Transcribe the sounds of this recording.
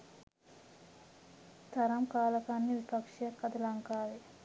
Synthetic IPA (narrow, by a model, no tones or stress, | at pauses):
t̪aɾɐmkaːlɐkanːiʋipakʂijakːad̪ɐlaŋkaːʋe